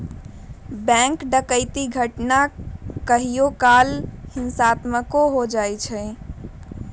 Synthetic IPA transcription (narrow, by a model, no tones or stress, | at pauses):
bɛ̃ŋkɖəkəɪt̪iɡʱəʈnakəɦijokalhinsat̪məkoɦod͡ʒajt͡ʃʰɛ